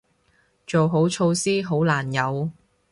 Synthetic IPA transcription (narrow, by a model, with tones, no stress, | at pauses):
t͡ʃo˨wɦo˨˥wt͡ʃʰo˧wsiː˥ɦo˨˥wlaː˨˩njɐ˨˧w